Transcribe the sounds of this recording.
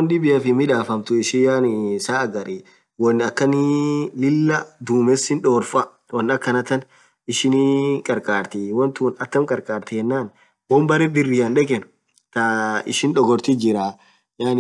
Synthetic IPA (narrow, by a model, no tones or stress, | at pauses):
ɔnᶑɪbɪjɐfɪmɪᶑaːfɐmt̪ʊɪʃɪjaːnɪsaːɐɡɐɾi | wɔnːɪɐkːɐnɪlɪlːɐd̪uːmɛsɪnᶑoːɾfɐ | wɐnːɐkːɐnɐt̪ːɐn | ɪʃɪnikʼɐɾkʼaːɾt̪ɪwɔnt̪uːnɐt̪ːɐmkʼɐɾkʼaːɾt̪ɪhɛnːaːn | wɔmbɐɾɛd̪ɪrːɪɐnᶑɛkʼɛn | t̪ɐɪ̰ʃɪnᶑɔɡɔɾt̪ɪd͡ʒɪɾaː | jaːn